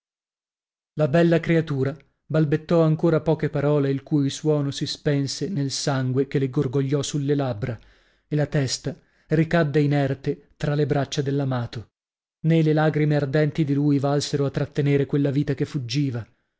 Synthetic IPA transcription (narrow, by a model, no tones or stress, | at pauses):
labɛlːakɾeat̪uːɾa | balbet̪ːɔaŋkoːɾapɔːkepaɾɔːleilkujilswɔːnosispɛnsenelsaŋɡwekeleɡorɡoʎːɔsulːelabːɾa | elat̪ɛst̪a | rikad̪ːeinɛrt̪et̪ɾalebɾat͡ʃːad̪elːamaːt̪o | nelelaːɡɾimeard̪ɛnt̪id̪iluːjvalseɾoat̪ːɾat̪ːeneːɾekwelːaviːt̪akefːud͡ʒːiːva